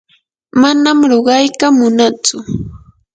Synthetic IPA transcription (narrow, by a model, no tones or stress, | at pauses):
manamɾoɢɑjkamʊnat͡sʊ